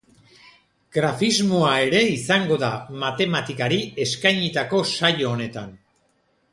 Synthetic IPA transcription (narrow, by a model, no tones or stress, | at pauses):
ɡɾafizmo̞ae̞ɾe̞isaŋɡo̞ðamat̪e̞mat̪ikaɾie̞skajɲit̪ako̞sajo̞ːne̞t̪an